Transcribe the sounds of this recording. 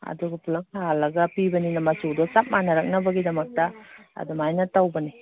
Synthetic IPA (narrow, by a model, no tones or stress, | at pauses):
ɐ̰duɡupʰulɐksalːɐɡɐpibɐninɐmɐt͡ʃudɔt͡ʃap̚manɐɾɐk̚nɐbɐɡidɐmɐk̚tɐɐ̰dumajnɐtawbɐni